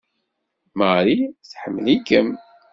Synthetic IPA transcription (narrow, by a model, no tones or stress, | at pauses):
məɾiθħəmːlikəm